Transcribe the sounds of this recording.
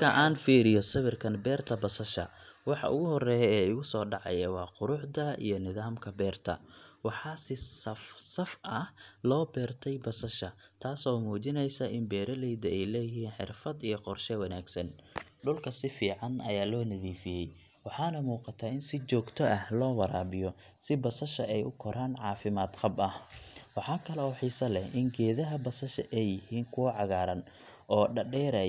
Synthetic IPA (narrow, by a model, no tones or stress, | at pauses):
kʰɐʔaːnfiːɾɪjɔsɐβɪrkʰɐnbɛːrt̪ʰɐbɐsɐʃɐ̰wɑħɑ̰ʔʊ̰ɣʊhɔrɛːjɛɛːʊɣʊsɔːɖɑʕɑ̰jɐwɑːqʊɾʊħd̪ɐḭjɞnɪðaːmkʰɐbɛːrt̪ʰɐ̰wɑħɑːsɪsɐfsɐfʔɐhlɔːbɛːrt̪ʰɛjbɐsɐʃɐt̪ʰaːsɔːmuːt͡ʃɪnɛjsɐʔɪmbɛːɾɐlɛjd̪ɐɛjlɛːjɪɦiːnħɪ̰rfɐd̪ijɞqɔrʃɛwɐnaːɡsɐn | ɖʊlkʰɐsɪfiːʕɑnʔɐ̰jaːlɔːnɐðiːfɪjɛj | wɑħɑːnɐmuːqɑt̪ʰaːɪnsɪt͡ʃɔːɡt̪ʰɔʔɐhlɔːwɐɾaːbɪjɔsɪbɐsɐʃɐʔɛjʔʊkʰɔɾʔaːnʕɑːfɪmaːd̪qɑbɐhwɑħɑːkʰɐlɛɔːħiːsɐlɛhʔɪŋɡɛːðɐɦɐbɐsɐʃɐʔɛjɪhiːŋkʰʊwʕɑɣaːɾɐn | ʔɔːɖɐɖɛːɾɛj